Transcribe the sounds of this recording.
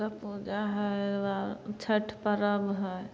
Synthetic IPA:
apud͡ʒaɦəwat͡ʃʰəʈʰpəɾəbɦəj

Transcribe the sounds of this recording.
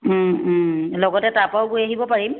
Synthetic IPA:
lɔɡɔtɛtapawɡojaɦibɔpaɹim

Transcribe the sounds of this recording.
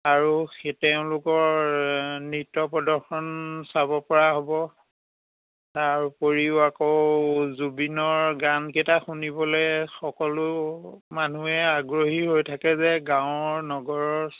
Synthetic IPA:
aɹuxetɛʊ̃lʊkɔɹ | nitːɔpɔdɔɹxɔnsabɔpɔɹaɦɔbɔ | taɹpoɹiʊakɔzubinɔɹɡanketaxunibɔlɔjxɔkɔlʊmanuɛaɡɹoɦiɦojtʰakɛzɛɡãʊ̃ɔɹnɔɡɔɹɔɹ

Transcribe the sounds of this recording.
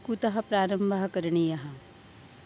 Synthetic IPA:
kut̪ɐɦɐpɾaːɾɐ̃mbʱaɦkɐɾɳijɐɦɐ

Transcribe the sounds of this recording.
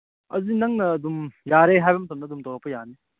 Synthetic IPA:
ɐzinɐŋnɐːdumjaɾeɦajbɐmɐtɐmnɐːdumtɔɾɐpːɐjane

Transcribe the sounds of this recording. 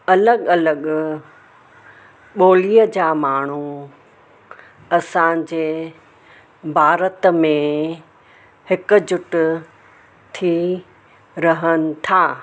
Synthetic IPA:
ɐləɠɐləɠ | ɓoːliːəd͡ʑaːmaːɳ̤̃u | ɐsãd͡ʑeː | bʱaːɾət̪mẽ | hɪkʊ̆d͡ʑʊʈʊ | t̪ʰi | ɾɐɦənɪ̆t̪ʰaː

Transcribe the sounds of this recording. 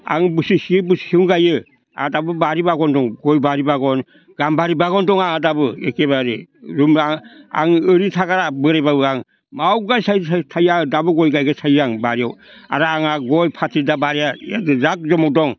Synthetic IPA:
a̰ŋbɯsisibɯshiuŋɡajɯ | a̰dabɯbaɾibaɡɔndɔŋɡɔjbaɾibaɡɔn | ɡ̥ambaɾibaɡɔndɔŋaŋadabɯḛkebaɾiɾumaa̰ŋɯɾitʰaɡaɾabɯɾebabɯaŋ | mawɡajsajtʰajadabɯɡɔjɡajɡasʰajaŋbaɾiawa̰ɾaːŋaɡɔjpʰatʰidabaɾejaja̰dɯzak̚d͡ʒɔmɔk̚dɔŋ

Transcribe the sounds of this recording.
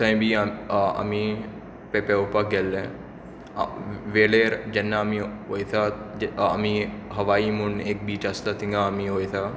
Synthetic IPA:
sɐ̃j̃biɐ̰mĩ | pepeupəɡelːḛ̃ | ʋeːɭeɾd͡ʒɐnːamĩɦojt̪ʰaɐ̰miɦɐʋaːimuɳeːk̚biːt͡ʃast̪at̪ĩŋɡaːmĩɦoːjt̪ʰa

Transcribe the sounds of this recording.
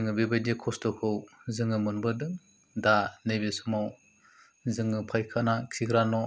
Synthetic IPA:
ɯŋɯbebajdekʰɔstɔkʰɯwzɯŋɯmɯnbɯdɯŋ | danejbesumaw | zɯŋɯpʰajkʰanakʰiɡɾanɔ

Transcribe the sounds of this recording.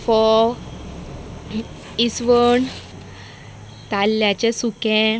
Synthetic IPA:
fɔ | isʋəɳ | t̪alːjat͡ɕẽsukɛ̃

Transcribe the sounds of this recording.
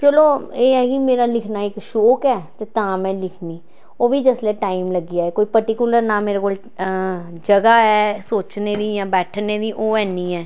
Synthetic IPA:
t͡ʃəloːeːɛːkimeːɾaːlɪkʰnaːɪkʃoːkɛːt̪eːt̪ãːmɛ̃ːlɪkʰniː | oːʋiːd͡ʒəslɛːʈaːimləɡijaːɛːkoːiːpəɾʈikuləɾnaːmeːɾekoːl | d͡ʒəɡaːɛːsoːt͡ʃneːd̪iːjãːbɛːʈʰneːd̪iːʔoːɛːniːɛː

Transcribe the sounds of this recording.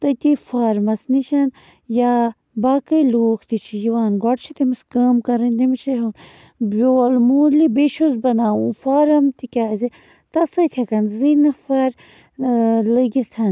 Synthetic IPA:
t̪ɐt̪ifaːɾmɐsniʃɐn | ja | baːkɐjluːkʰt̪it͡ʃʰijiʋaːnɡɔʈt͡ʃʰit̪imiskəːmkɐɾɐnʲd̪imit͡ʃɐɦɐn | boɐlmuːlibeʃuzbɐnaːufaːɾɐmt̪ikʲaːzi | t̪ɐsɐt̪ʰʲɐkɐnzinɐfaɾ | ləɡitʰɐn

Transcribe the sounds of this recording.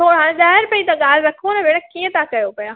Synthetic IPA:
oːɽãɗ̪aːɪɾpɐit̪ɐ̃ɠaːlɾɐkʰoːnɐʋeːɽəkiẽt̪akɐjopɐjoː

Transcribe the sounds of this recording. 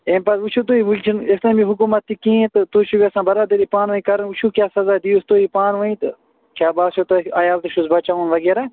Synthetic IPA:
eːmpɐsut͡ʃʰut̪̬uːiʋult͡ʃʰinest̪ɐ̃biɦuk̬umɐt̪ːikĩːt̪ɨt̪uːʃubiɐsãːbɐɾaːd̪ɐɾiːpaːnʋɐĩkɐɾɐnut͡ʃʰuːkʲjaːsɐzaːd̪iːust̪oːipaːnʋɐĩt̪ɨ | kʰʲaːbaːʃʰot̪ɐɐjaːlt̪ɨʃusbɐt͡ʃaːʋuːnʋɐɡeːɾa

